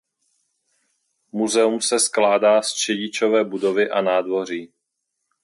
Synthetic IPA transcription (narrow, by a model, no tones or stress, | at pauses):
muzɛumsɛsklaːdaːst͡ʃɛɟɪt͡ʃo̞vɛːbudo̞vɪʔanaːdvo̞r̝iː